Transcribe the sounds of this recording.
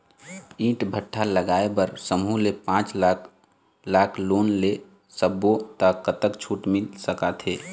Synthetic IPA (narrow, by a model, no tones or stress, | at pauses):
ĩːʈbʱəʈʰːaləɡaːebəɾsəmulepãːt͡ʃlaːk | laːkʰloːnle | səbːot̪akət̪əkt͡ʃʰuːʈmɪlsəkat̪ʰɦeː